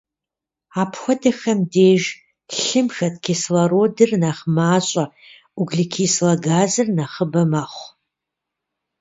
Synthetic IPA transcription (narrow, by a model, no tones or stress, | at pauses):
aːpʰxʷɔdɐxɐmdeːʒ | ɬɨmxɐt̚kʰeːslɐɾoːdɨrnaːχmaːɕʼɐ | uɡɮikʰiːslɐɡaːzɨrnaχəbɐmaχʷ